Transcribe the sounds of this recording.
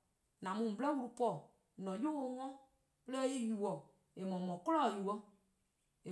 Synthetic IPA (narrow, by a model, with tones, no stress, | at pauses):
nã˨mũ˨m̩˨blɛ˦wu˦ɾu˨pɔ˦˨ | nɔ̃˨jo˦o˧˦ŋɔ̃˦ | pə˦lɛ˦i˦ju˨ɔ˨ | e˨mɔ̃˨mɔ̃˨kɔ˦lɔ˦˨ju˨wɔ˦ | e˨